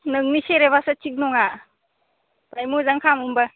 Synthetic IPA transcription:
nɯŋniseɾebasat͡ʃik̚nɔŋa | pɾajmuzaŋkʰamumba

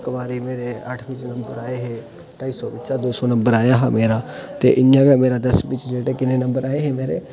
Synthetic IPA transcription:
kəmaːɾiːmeːɾeːəʈʰʋɪt͡ʃnəmbəɾaːeːɦeː | ʈaːiːsɔːbɪʃaːd̪oːsɔːnəmbəɾaːjaːɦaːmeːɾaːt̪ḛːʔɪjãːɡaːmeːɾaːd̪əsbit͡ʃd͡ʒeːʈeːkɪnẽːnəmbəɾaːeɦeːmeːɾeː

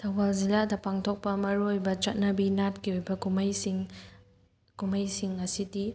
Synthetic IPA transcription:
tʰɐbalziladɐpaŋtʰok̚pɐmɐɾuojbɐt͡ʃɐt̚nɐbinat̚kiojbɐɡumɐjsiŋ | ɡ̥umɐjsiŋːɐsidi

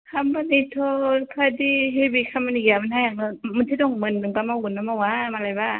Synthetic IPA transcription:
kʰambanit̪ʰokʰadiɦebikʰamanijamanhajaŋɯmɯntʰidɔŋmɯnːɯŋpamaunːamawamalajba

